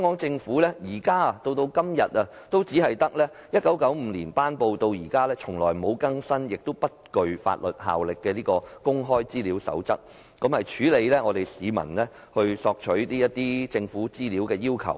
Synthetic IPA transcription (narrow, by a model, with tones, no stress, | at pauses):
œ˨˥ŋɔː˨˥ŋt͡sɪ˧ŋfuː˨˥lɛː˥jiː˨˩kaː˥˨t̪o˧wt̪o˧wkɐ˥mjɐ˨t̚ɐ˧t̪o˥wt͡siː˨˥hɐ˨jt̪ɐ˥k̚lɛː˥jɐ˥t̚kɐ˨˥wkɐ˨˥wm̩˧liː˨˩npaː˥npo˧wt̪o˧wjiː˨˩kaː˥lɛː˥t͡ʃʰʊ˨˩ŋlɔ̰ː˨˩jmo˨˧wkɐ˥ŋsɐ˥njɪ˨k̚t̪o˥wpɐ˥t̚kɵ˨ɥfa̰ː˧t̚lɵ˨˩t̚ɦa̰ː˨wlɪ˨kːɛː˧liː˥kɔː˧kʊ˥ŋɦɔː˥jt͡siː˥liː˨˥wsɐ̰˨˥wt͡sɐ˥k̚ | kɐ˨˥mhɐ˨jt͡ʃʰyː˨˥le˨˧jlɛː˥ŋɔː˨˧t̪e˨jsiː˨˧mɐ̰˨˩nlɛː˥ | hɵ˧ɥsɔː˧k̚t͡ʃʰɵ˨˥ɥniː˥jɐ˥t̪̚ːiː˥t͡sɪ˧ŋfuː˨˥t͡siː˥liː˨˥wkɛː˧jiː˥wkʰɐ̰˨˩w